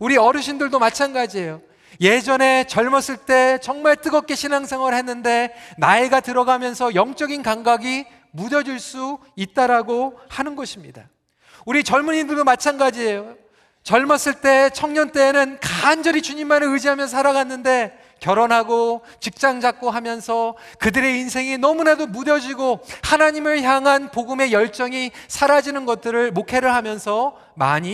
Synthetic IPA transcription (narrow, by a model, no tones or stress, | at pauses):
uɾiʌɾɯɕʰindɯɭdomat͡ɕʰanɡad͡ʑie̞jo | je̞d͡ʑʌne̞t͡ɕʌɭmʌs͈ɯɭt͈e̞t͡ɕʌŋmaɭt͈ɯɡʌk͈e̞ɕʰinaŋsʰe̞ŋwʌɭɦe̞nːɯnde̞naiɡatɯɾʌɡamjʌnsʰʌjʌŋt͡ɕ͈ʌɡinkaŋɡaɡi | mudʌd͡ʑiɭs͈u | it̚t͈aɾaɡohanɯnɡʌɕʰimɲida | uɾit͡ɕʌɭmuɲindɯɭdomat͡ɕʰanɡad͡ʑie̞jo | t͡ɕʌɭmas͈ɯɭt͈e̞t͡ɕʰʌŋɲʌnt͈e̞ːnɯnkand͡ʑʌɾit͡ɕuɲimːanɯɯd͡ʑiɦamjʌnsʰaɾaɡanːɯnde̞ | kjʌɾonɦaɡo | t͡ɕik̚t͡ɕ͈aŋd͡ʑak̚k͈oɦamjʌnsʰʌkɯdɯɾe̞insʰe̞ŋinʌmunadomudʌd͡ʑiɡohanaɲimɯɭçjaŋɦanpoɡɯme̞jʌɭt͡ɕ͈ʌŋisʰaɾad͡ʑinɯnɡʌt̚t͈ɯɾɯɭmokʰe̞ɾɯɭɦamjʌnsʰʌ | ma̰ɲi